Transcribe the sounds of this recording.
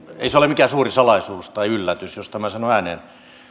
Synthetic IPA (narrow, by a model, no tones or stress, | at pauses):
ḛiseolemikæːsuːrisɑlɑisuːst̪ɑiylːæt̪ysjost̪æmæsɑnoæːnen